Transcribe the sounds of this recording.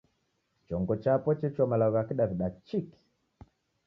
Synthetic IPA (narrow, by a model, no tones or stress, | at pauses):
t͡ʃɔŋɡɔt͡ʃapɔt͡ʃɛt͡ʃwamalaɔɣakiɗaviɗat͡ʃiki̥